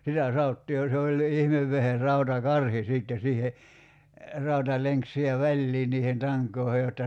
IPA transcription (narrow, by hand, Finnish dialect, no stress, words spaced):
sitæ sɑotːiː jɑ se olʲːi ihmeʋːeher rɑutɑkɑrhi siˑtːe siːhe rɑutɑleŋk sihe ʋælʲliː niːhen tɑŋkˑoːhe jotːɑ